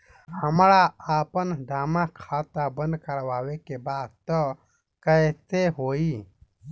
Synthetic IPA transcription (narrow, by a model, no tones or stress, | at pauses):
həmɾaaːpənɖʱaːmãkʰaːt̪abə̃nd̪kəɾʋaːʋekebaːd̪t̪ə | kəet̪eɦoːi